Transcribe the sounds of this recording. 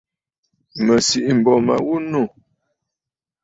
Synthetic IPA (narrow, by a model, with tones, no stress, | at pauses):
mə˨si˨ʔm̩˨bɔ˨ma̰˨wu˦no˦˨